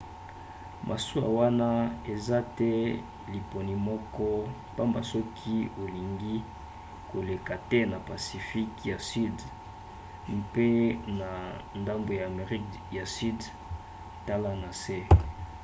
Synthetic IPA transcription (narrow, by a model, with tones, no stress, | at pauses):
mʔa̰˨su˦a̰˨wa˦na˦e˨za˦tɛ˦ | li˨po˨ni˨mɔ˦kɔ˦ | pa˦mba˨sɔ˦kʰi˦o˨li˨ŋɡi˦ | ko˨le˨ka˨tɛ˦na˨pa˨si˨fi˦kja˨si˦d | mpe˦na˨nda˦mbo˨ja˨me˨ʁi˦k | ja˨si˦d | ta˦la˦na˨sɛ˦